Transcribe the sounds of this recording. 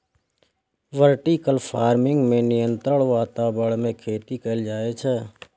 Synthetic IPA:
ʋəɾʈiːkəlpʰaːɾmɪŋɡmẽːnɪjənt̪ɾəɳʋaːt̪aːbəɭmẽːkʰeːt̪iːkəːld͡ʒaːeːt͡ʃʰɛː

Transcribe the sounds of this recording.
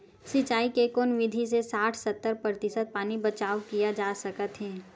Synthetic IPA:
sɪt͡ʃaːikekoːnʋɪd̪ʱis̬esaːʈʰsɐt̪ːəɾpɾət̪ɪʃəd̪̚paːnibɐt͡ʃaːʋkijad͡ʒaːsɐkət̪ɦɛ̃ː

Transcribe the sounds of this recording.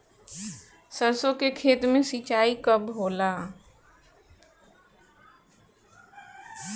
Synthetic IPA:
səɾsokekʰeːt̪mẽsit͡ʃaːikəbʱɦoːlaː

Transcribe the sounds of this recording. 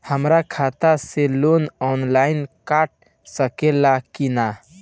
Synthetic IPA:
həmɾakʰat̪aselonɔnlainkaʈ̚ | səkelakina

